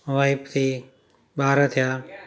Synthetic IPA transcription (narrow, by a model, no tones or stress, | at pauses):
ʋaːɪpt̪ʰiː | ɓaːɾət̪ʰɪjaː